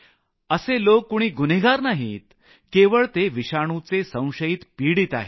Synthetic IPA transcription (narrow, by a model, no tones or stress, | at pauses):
əselokːoɽ̃iːɡuneɡaɾnaɦḭːt̪ | keʋəɭt̪eʋiɕaɽ̃ut͡sesə̃w̃ɕəjiːt̪piɽiːt̪a̰ɦe